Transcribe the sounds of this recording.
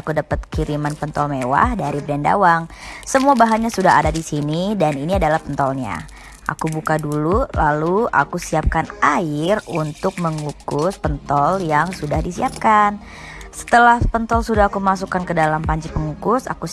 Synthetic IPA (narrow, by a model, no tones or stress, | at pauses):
akudapət̪̚kiɾimanpənt̪ɔlmewa̰hdaɾibədanda̰waŋ | səmuabaɦanɲasudaɦa̰dadisinidaniniadalahpənt̪ɔlɲa̰ | ʔa̰kubukadululalua̰kusiap̚kanaɪrunt̪ʊk̚məŋukʊspənt̪ɔljaŋsudahdisiap̚kan | sə̥t̪əlahpənt̪ɔlsudahakumas̬ukankədalampaɲt͡ʃipəŋukʊsa̰ku